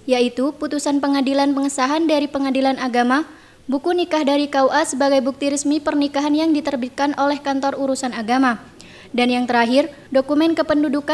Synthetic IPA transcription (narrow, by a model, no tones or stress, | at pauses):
jait̪uput̪usanpəŋadilanpəŋəsaɦandaɾipəŋadilanaɡama | bukunikahdaɾikawʔasəbaɡajbuk̚t̪iɾəsmipərnikaɦanjaŋdit̪ərbit̪̚kanʔolɛhkant̪ɔruɾusanaɡama | danjaŋt̪əɾaɦɪr | dokumɛnkəpənduduka